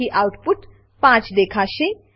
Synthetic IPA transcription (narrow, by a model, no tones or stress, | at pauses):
iʔawʈpuʈ | pãt͡sd̪ekʰasẽ